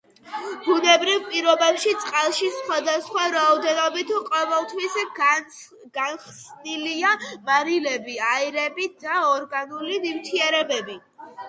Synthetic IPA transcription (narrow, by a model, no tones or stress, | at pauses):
b̥unɛbɾivpʼiɾɔbɛpʃit̪sʼqʼalˠʃisχwad̪asχwaɾaɔd̪ɛnɔbit̪ʰqʼɔvɛlˠt̪ʰwis | ɡ̥anχsniliamaɾilɛbiaiɾɛbid̪aɔɾɡanulinimt̪ʰiɛɾɛbɛbi